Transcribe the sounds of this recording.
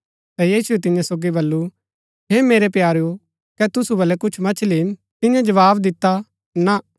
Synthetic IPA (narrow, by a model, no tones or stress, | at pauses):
t̪ɛjiːsʊet̪̬ɪ̃jãsoːɡibɐlːu | ɦeːmeːɾepjaːɾjo | kɛt̪ʊsubɐlɛkʊt͡ʃʰmɐt͡ʃʰliːm | t̪ɪ̃jãd͡ʒɐʋaːbd̪ɪt̪ːa | na